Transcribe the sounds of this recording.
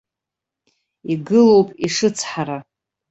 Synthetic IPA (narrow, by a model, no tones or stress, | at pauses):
iɡɨlo̞wpʼiʂɨt͡sʰħaɾa